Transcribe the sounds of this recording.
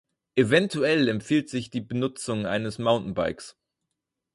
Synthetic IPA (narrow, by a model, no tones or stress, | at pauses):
ʔevɛntʰuɛlɛmfiːltz̥ɪçd̥iːbənʊt͡sʊŋʔa̰ɪnəsmaʊnʔn̩ba̰ɪks